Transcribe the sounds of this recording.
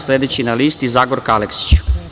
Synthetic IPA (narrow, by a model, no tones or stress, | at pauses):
sled̪et͡ɕinaliːst̪izaːɡoɾkaleksi̥t͡ɕu̥